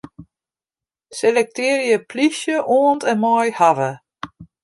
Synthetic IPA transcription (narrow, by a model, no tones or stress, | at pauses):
selɛk̚tɪːɾjəpʰlisjəʔoːəntɛnmɔjhavə